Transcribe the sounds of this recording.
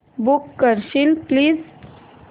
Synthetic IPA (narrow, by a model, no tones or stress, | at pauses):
bukːəɾɕiːlpliːz